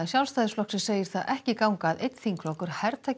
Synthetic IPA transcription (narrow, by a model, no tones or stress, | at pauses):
ɪsjawlst̪ajðɪsflɔhksɪ̥seːjɪɾ̥θaðɛhcɪkawŋkaðejt̪θiŋkʰlɔkʏɾ̥hɛɾt̪ʰa